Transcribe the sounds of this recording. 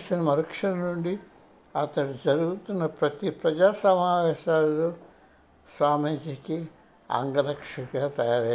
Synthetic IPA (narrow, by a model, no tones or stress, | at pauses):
sinɐmɐɾɐkʂɐnɐnuɳɖi | ɐt̪ɐɽid͡ʒɐɾuɡut̪unːɐpɾɐt̪ipɾɐd͡ʒaːsɐmaːʋɛːʃaːlu | sʋaːmid͡ʒiːki | a̰ːŋɡɐɾɐkʂɐɡaːt̪ɐjaːɾɐ